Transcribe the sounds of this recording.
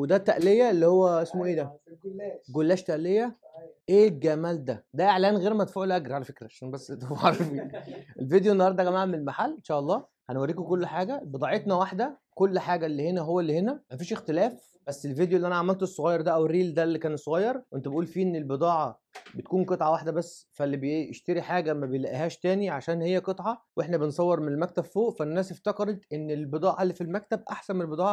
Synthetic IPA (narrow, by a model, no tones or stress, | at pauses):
wed̪æt̪ːæʔlejæelːihowːæʔesmoʔeːd̪æ | ɡolːæːʃt̪æʔlejːæʔeːɡæmæld̪æd̪æʔeʕlæːnɣeːɾmæt̪fuːʕlʔæɡɾʕalæfekɾæʃæːnbæsːt̪æfʕɑɾfiːʔelved̪ejoʔenːɑhɑɾˤd̪ˤæɡæmæːʕæmenelmaħalːʔenʃæːʔɑlˤːɑː | hænwæɾːiːkokolːħaːɡæbed̪ˤɑʕet̪næwaħd̪æ | kolːħaːɡælːihenæɦowːælːihenæmæfiːʃext̪elæːf | b̥æsːelved̪joʔelːʔænæʕamælt̪esˤːoɣɑjːɑɾˤd̪æʔæwerːiːld̪ælːikæːnsˤoɣɑjːɑɾˤwʔent̪uæbeʔuːlfiːʔenːelbed̪ˤɑːʕɑ | bet̪̚kuːnqet̪ˤʕɑwaħd̪æbæsːfælːibeḛʃt̪eɾiħaːɡæmæbejlæʔɦæːʃt̪æːniʕaʃæːnhejːæket̪ˤʕɑwʔeħnæbensˤɑwːeɾmenelmæk̚t̪æb̥foːʔfænːæːseft̪ækɑɾˤet̪ʔenːelbed̪ˤɑːʕɑlːifilmæk̚t̪æb̚ʔaħsænmenelbed̪ɑːʕɑ